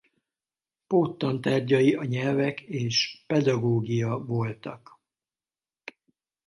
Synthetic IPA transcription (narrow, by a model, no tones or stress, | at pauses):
poːt̪ːɒnt̪aːrɟɒjiɒɲɛlvɛkeːʃpɛd̪ɒɡoːɡijɒvo̞lt̪ɒ̰k